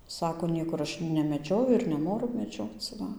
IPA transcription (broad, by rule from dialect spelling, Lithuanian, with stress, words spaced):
ˈsɑːkoː ˈnʲiɛkʊr ˈɐʃ nʲɛmʲɛˈd͡ʒʲoːjʊ ɪr nʲɛˈnoːrʊ mʲɛˈd͡ʒʲoːt͡s ˈʋɐ